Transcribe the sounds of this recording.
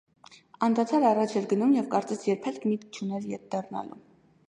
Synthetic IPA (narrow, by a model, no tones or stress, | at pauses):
ɑnd̪ɑt̪ʰɑɾɑrɑt͡ʃʰɛɾɡənumjɛvkɑɾt͡sɛsjɛɾpʰɛlkʰmit̪k̚t͡ʃʰunɛljɛt̚d̪ɑrnɑ̰lṵm